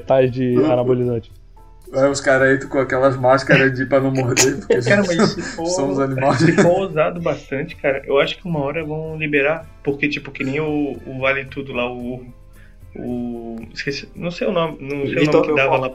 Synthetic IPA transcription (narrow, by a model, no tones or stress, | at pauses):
t̪ajzd͡ʒɪaɾabolizɐ̃t͡ʃɪ̥ | ɛʊskaɾɐet̪ʊkõakɛlɐzmaʃkɐɾɐzd͡ʒɪpɾɐnɐ̃w̃moɦd̪epoeskaɾɐmɐzsɪfosɐ̃w̃ʊzɐnimassɪffoozad̪ʊbaʃt̪ɐ̃nt͡ʃɪ̥kaɾɐʔewaʃʊ̥kɪũmɐɔɾɐvɐ̃w̃libeɾapoɾket͡ʃipʊkɪnẽj̃ʊːvalɪt̪ud̪ʊlaʊuɦʊ | ʊiskesinɐ̃w̃sejʊnõmɪnɐ̃w̃sejwnom̃kɪd̪avɐla